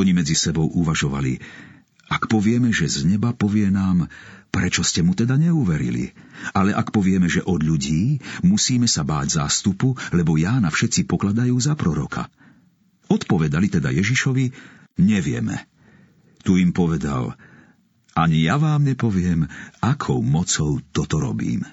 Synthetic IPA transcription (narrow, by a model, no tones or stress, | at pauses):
ɔɲimɛd͡zisɛbɔʊʔuʋaʒɔʋa̰lḭ | akpɔʋɪɛmɛʒɛzɲɛbapɔʋɪɛnaːmpɾɛt͡ʃɔscɛmut̪ɛd̪aɲɛuʋɛɾḭlḭ | alɛʔakpɔʋɪɛmɛʒɛʔɔd̪ʎuɟiːmusiːmɛsabaːɟza̰ːst̪upulɛbɔjaːnafʃɛt̪t͡sipɔklad̪ajuːzapɾɔɾɔ̰kʰa̰ | ɔt̪pɔʋɛd̪alit̪ɛd̪a̰jɛʒiʃɔʋi | ɲɛʋɪɛ̰mɛ̰ | t̪uimpɔʋɛd̪a̰l | ʔaɲijaʋaːmɲɛpɔʋɪɛmakʰɔʊmɔt͡sɔʊt̪ɔt̪ɔɾɔ̰bḭːm